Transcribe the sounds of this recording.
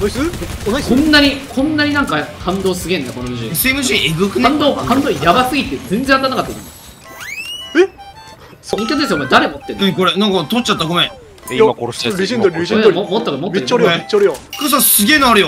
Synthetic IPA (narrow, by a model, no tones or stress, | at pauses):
kõnːaɲ̟ikʰõ̞nːaɲ̟inãŋkakʰãnd̪o̞ːsɨɡʲẽnd̪ako̞noɾiʑiesemɯɕieɡɯkɯãnd̪oːkʰãnd̪oːjabasɨɡʲit̪ːed͡zẽ̞nd͡zẽat̪anakat̪ːaiḭ̃n | e | soõŋkʲak̪ɯd̪esɨjokmed̪aɾe̞mot̪ːenẽko̞ɾenãŋkɑt̪ot͡ɕːat̪ːaɡomẽ | o | emot̪ːokomot̪eɾɾet͡ɕːɾjokɯs̬ãsɨɡʲe̞ːnaɾɯjo